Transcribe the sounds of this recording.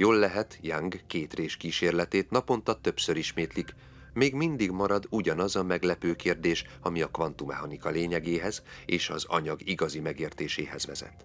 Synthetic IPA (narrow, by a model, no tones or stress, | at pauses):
joːlːɛɦɛt̪jaŋɡkeːt̪reːʃkiːʃeːrlɛt̪eːt̪nɒpo̞nt̪ɒt̪ø̞psøɾiʃmeːt̪lik | meːɡmind̪iɡmɒɾɒd̪uɟɒnɒzɒmɛɡlɛpøːkeːrd̪eːʃ | ɒmiɒkʋɒnt̪umɛɦɒnikɒleːɲɛɡeːɦɛzeːʃɒ̰zɒ̰ɲɒɡiɡɒzimɛɡeːrt̪eːʃeːɦɛ̰zʋɛ̰zɛ̰t̪